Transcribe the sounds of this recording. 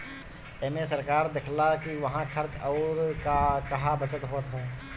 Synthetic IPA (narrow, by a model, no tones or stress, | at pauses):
ɛmẽsəɾkaːɾd̪ekʰlakiʋəɦãkʰəɾt͡ʃɔːɾakɐɦabət͡ʃət̪ɦoːt̪ɦɛː